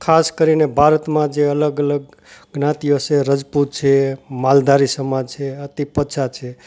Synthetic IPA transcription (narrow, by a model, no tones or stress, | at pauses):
kʰaskəɾinebʱaɾət̪mãd͡ʒeələɡələɡ̚ | ɡnãt̪ijot͡ʃʰeɾəd͡ʒput̪̚t͡ʃʰemald̪aɾisəmad͡ʒt͡ʃʰeət̪ipət͡ʃʰat͡ʃʰe